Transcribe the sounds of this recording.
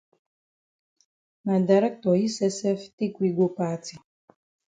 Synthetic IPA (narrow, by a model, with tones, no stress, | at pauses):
na˨da˨ɾɛ˦k̚tɔ˨ji˦sɛ˦sɛ˦fti˦kwi˦ɡo˦pa˦tʰi˨